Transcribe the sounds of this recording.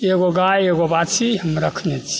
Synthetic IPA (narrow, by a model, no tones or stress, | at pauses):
eɡoɡajeɡobat͡ʃʰiɦəmɾəkʰnɛt͡ʃʰi̥